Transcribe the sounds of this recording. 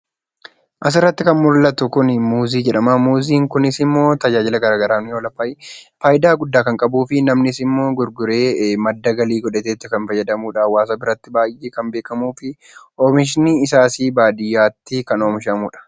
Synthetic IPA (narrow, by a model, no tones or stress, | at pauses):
ʔɐs̬ɪrːɐt̪ːɪkɐnmʊɾlɐt̪ʊkʊnɪmuːziːd͡ʒɛᶑɐmamuːziːŋkʊnɪsɪmːo̞ːt̪ɐd͡ʒaːd͡ʒɪlɐɡɐɾaːɡɐɾaːnjoːlɐfɐːjfaːjɪd̪aːɡʊd̪ːaːkɐŋkʼɐbuːfɪnɐmnɪsɪmːo̞ːɡʊɾɡʊɾe̞ːmɐd̪ːɐɡɐliːɡɔᶑɛt̪eːt̪ːɪkɐnfɐjːɐd̪ɐmuːᶑɐwaːs̬ɐbɪɾɐt̪ːɪbaːjʔːeːkɐmbeːkɐmuːfɪ | ʔoːmɪʃ̬niɪsaːsiːbaːd̪ɪjːaːt̪ːɪkɐnoːmɪʃɐmuːᶑɐ̥